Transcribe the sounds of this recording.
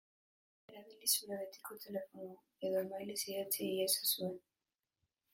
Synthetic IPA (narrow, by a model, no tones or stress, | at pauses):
eɾaβilisuɾeɣet̪i̥ko̞t̪ʰe̞le̞fona | e̞ðoemajlisiðat͡siiasasuen